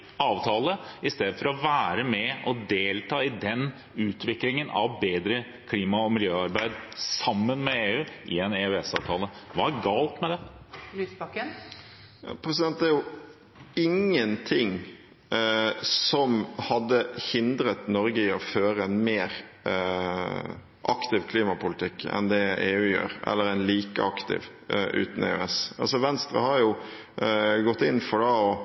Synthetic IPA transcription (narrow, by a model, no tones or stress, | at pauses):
ɑːʋt̪ʰɑːləɪst̪eːd̪əfɔɾɔʋæːɾəmɛʔɔd̪eːlt̪ʰɑːɪd̪ɛn | ʉːt̪ʰʋɪklɪŋənʔɑ̰ʋbeːd̪ɾə | kʰliːmɑɔmɪljøːɑɾbæɪd̪sɑmːənmɛeːʉːʔɪ̰ɛnɛʉɛsɑ̰ːʋt̪ʰɑːləʋɑɡɑːlt̪mɛd̪ɛlyːsbɑkːən | jɑ̰pʰɾɛsɪd̪ɛnt̪d̪æɾjʊ | ɪŋːənt̪ʰɪŋ | sɔmhɑd̪ːəhɪnd̪ɾət̪nɔɾɡəɪɔføːɾəɛnmeːɾ | ʔɑkt̪ɪʋkʰliːmɑpʊlɪt̪ʰɪkːɛ̰nd̪ɛeːʉːjø̰ːɾʔɛ̰lːəɾæɪnliːkə̰ɑkt̪ɪ̰ʋ | ʔʉ̰ːt̪n̩ḛːø̰ːɛsɑlsɔʋɛnst̪ɾə̰hɑɾjʊ | ɡɔt̪ːɪnːfɔɖɑɔ